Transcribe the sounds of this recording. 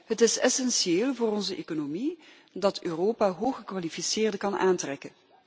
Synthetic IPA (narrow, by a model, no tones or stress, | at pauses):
ɦətɪsɛsɛnʃeːlˠvʊːrɔnzəʔeːkonomi | dɑtʰøːroːpaːɦoːxχəkʋalifisɪːrdəkɑnʔaːntrɛkən